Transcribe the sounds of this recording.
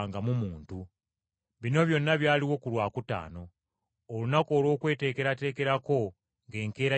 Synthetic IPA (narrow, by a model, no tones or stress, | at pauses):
ŋɡamumuːntu | βino̞βjo̞nːaβjaːliwo̞kulwaːkuta̰ːno̞ː | lunako̞ːlo̞ːkwe̞ːte̞ːke̞ɾate̞ːke̞ɾako̞ | ŋɡe̞ːŋke̞ːɾa